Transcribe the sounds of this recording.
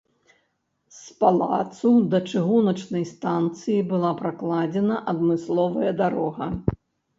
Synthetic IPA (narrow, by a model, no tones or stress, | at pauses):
spalˠa̰t̪sud̪ɐt͡ʂɨɣunɐt͡ʂnɐjst̪ant̪sɨjibɨlˠapɾaklˠad͡zʲɛnɐʔɐd̪mɨslˠɔvɐjɐd̪aɾɔɣɐ